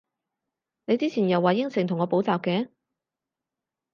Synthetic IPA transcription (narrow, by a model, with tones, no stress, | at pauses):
ne˨˧jt͡siː˥t͡sʰiː˨˩njɐ˨˩wːaː˨˩jɪ˥ŋsɪ˨ŋt̪ʰʊ˨˩ŋːɔː˨˧po˨˥wt͡saː˨p̚kɛː˨˥